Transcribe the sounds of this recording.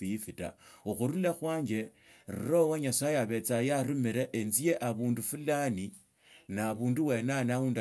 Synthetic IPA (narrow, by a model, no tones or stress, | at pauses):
iifita̰uxuɾulaxwaːɲɡe̞ | rṵrowaɲasajeaβe̞t͡sajaɾumiɾeʔenzijeʔaβuːndufulani | naβuːnduwe̞nanauːnd